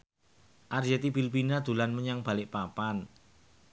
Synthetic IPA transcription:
ʔard͡ʒet̪ibilpinad̪̥ṳlanməɲaŋb̥a̤lɪʔpapan

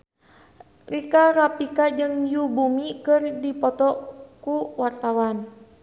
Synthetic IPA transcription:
rikaɾapikad͡ʒɨŋjubumikɨrdipɔt̪ɔkuwart̪awan

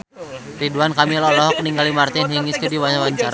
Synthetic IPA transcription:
riduankamilɔlɔɦɔk̚niŋɡalimart̪inɦiŋiskudiwaɲawaɲt͡ʃaɾa

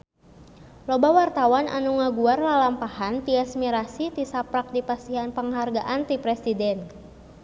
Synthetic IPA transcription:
lɔbawart̪awanʔa̰nuŋaɡuarlalampahant̪iasmiɾasit̪isapɾak̚dipast̪iɦanpəŋɦarɡaʔant̪ipɾɛsidɛn

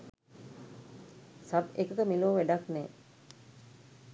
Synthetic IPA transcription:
sabekət̪əmiluoʋæɖaknɛː

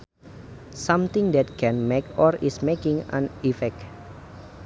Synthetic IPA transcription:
sãmt̪ɪ̃ŋd̪ɛt̪̚kʰɛ̃nmekɔɹismekɪ̃ŋã̰nifɛk̚

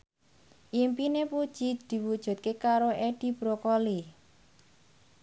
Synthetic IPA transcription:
ʔimpinepud̥ʒ̥id̪̥i̤wud̥ʒ̥ṳt̪̚kekaɾoʔeɖ̪̥i̤b̥ɾokoli

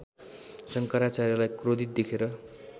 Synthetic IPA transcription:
sʌŋkʌɾat͡saɾjʌlajkrod̪it̪̚d̪ekʰeɾʌ

